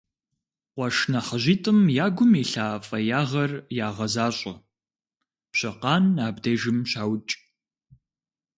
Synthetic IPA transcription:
qʷɔʂnaχɐʑiːtʼɨmjaːɡʷʊmiːɬaːfʼɐjaːʁɐrjaːʁɐzaːɕʼɐ̰ | pɕɐqɑːnaːbdeːʒɪmɕaːwt͡ʃʼ

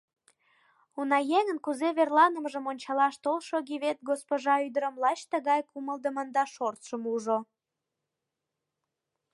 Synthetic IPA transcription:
unɑjeŋənkuzeβerlɑnəmʒəmonʲt͡ɕɑlɑʃt̪olʃoɣiβet̪̚ɡospoʒɑyd̪əɾəmlɑt͡ɕt̪əɣɑjkuməld̪əmənd̪ɑʃort̪ʃəmuʒo

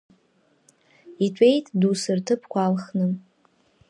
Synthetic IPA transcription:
itʷʼe̞jtʰʼdusɨrtʰɨpʰkʷaːlχnɨn

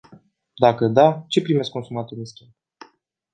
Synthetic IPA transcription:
d̪akəd̪at͡ʃe̞pɾime̞skːo̞nsumat̪ulinskʲim

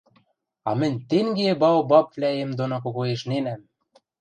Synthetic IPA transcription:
ɑmɘ̆nʲt̪eŋɡebɑwbɑpvlʲæemd̪onok̬oɣoeʃnenæm

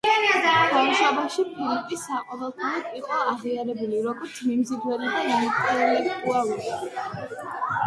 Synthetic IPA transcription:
amʃabaʃipʰilip̪ʼisːaqʼwɔvɛlˠt̪ʰalɔt̪ʼiχʼɔaʁiaɾɛbuliɾɔɡɔɾt̪sʰmimzid̪wɛnad̪ainit̪ʼɛɾlɛk̚t̪ʼualˠɔɾi

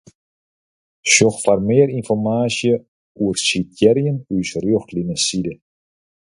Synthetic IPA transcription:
ʃɔxfarmeːɾinfɔrmaːsjə | uərsitjɛɾjənysrjɔxtlinəsidə

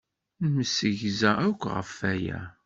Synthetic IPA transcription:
məsəʝzæækʷːʁə̰fæjæ̰

